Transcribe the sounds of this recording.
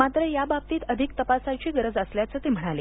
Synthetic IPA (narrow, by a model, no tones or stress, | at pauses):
at̪ɾəjabab̚t̪iːt̪əd̪ʱikt̪əpasat͡ɕiːɡəɾəd͡zəsljat͡səːt̪em̤əɽ̃ale